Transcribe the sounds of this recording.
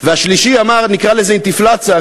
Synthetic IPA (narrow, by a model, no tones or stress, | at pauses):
vɛaʃliʃiamaʁnikʁalɛzeɪnt̪iflat͡sa